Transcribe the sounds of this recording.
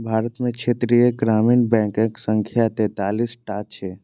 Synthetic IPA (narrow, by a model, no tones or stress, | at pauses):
bʱaːɾət̪mẽkʃʰeːt̪ɾijeɡɾaːmiːnbɛ̃ːŋkẽksə̃ŋkʰjat̪eːt̪aːlisʈaːt͡ʃʰe